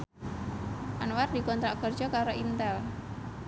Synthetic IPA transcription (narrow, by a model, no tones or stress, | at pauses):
ʔanward̥i̤kɔnt̪ɾakər̥d͡ʒɔkaɾoʔint̪ɛl